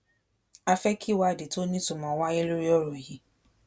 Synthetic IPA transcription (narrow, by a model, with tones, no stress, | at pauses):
a˧fɛ˦kʰi˦˨wa˦a˦˨de˨to˦nĩ˦tu˦˨mã˨˦wa˦e˦lo˦ɾi˦ɔ˦ɾɔ˨ji˨˦